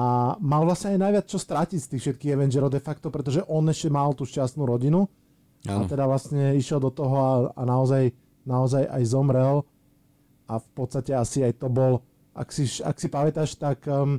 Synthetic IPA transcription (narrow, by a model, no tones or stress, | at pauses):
amalʋlasɲɛajnajʋɪat͡st͡ʃɔst̪ɾacicst̪iːxfʃɛt̪̚kiːɣɛʋɛnd͡ʒɛɾɔʊd̪ɛfakt̪ɔpɾɛt̪̬ɔʒɛʔɔnɛʃcɛmalt̪uːʃcast̪nuɾɔɟinu | a̰t̪ɛd̪aʋlasɲɛiʃjɛld̪ɔt̪ɔɦɔaa̰naɔzaj | naɔzaja̰jzɔmɾɛl | afpɔt̪st̪acɛasiajt̪ɔbɔl | ʔa̰ksiʃa̰ksipamɛt̪aʃt̪ak